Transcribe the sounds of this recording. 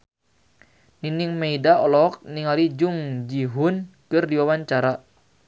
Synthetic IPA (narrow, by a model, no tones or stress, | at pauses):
niniŋmeidaɔlɔk̚niŋalid͡ʒuŋd͡ʒiɦunkɨrdiwawaɲt͡ʃaɾa